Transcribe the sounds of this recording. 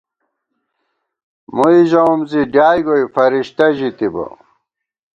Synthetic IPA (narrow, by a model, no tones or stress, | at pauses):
muiʑɐumziɖaːjɡojfɐɾiɕt̪ɐʑit̪ibɐ̰